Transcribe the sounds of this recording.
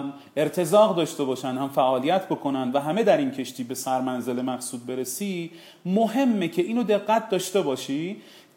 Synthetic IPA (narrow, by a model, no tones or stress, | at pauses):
m | e̞ɾt̪ʰe̞zɒːɣd̪ɒːʃt̪e̞bɒːʃænd̪hæmfæʔɒːlijæt̪ʰbo̞kʰo̞nænd̪væɦæme̞d̪æɾincʰe̞ʃt̪ʰiːbe̞sæɾmænze̞lemæxsuːd̪̚be̞ɾe̞siː | moɦe̞mːecʰe̞iːnod̪e̞ɣːæt̪̚d̪ɒːʃt̪e̞bɒːʃiː